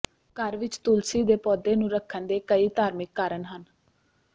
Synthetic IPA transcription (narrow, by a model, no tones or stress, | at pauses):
kəɾʋɪt͡ʃt̪ʊlsiːd̪eːpɔːd̪eːnũːɾəkʰːənd̪eːkəiːt̪aːɾmɪkːaːɾənɦən